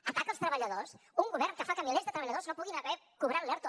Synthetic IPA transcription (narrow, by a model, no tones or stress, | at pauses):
əpat̪əlˠst̪ɾəβəʎəðosuŋɡuβɛɾnkəfakəmilezðət̪ɾəβəʎəðoznopuɣinɐβɛ | kuβɾat̪lɛɾt̪u